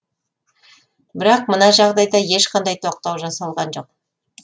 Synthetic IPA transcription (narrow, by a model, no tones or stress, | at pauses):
bɪɾɑqmənɑʒɑʁd̪ɑjd̪ɑje̞ʃqʰɑnd̪ɑjt̪ʰo̞q̚t̪ɑwʒɑsɑlˠʁɑnʒo̞q̚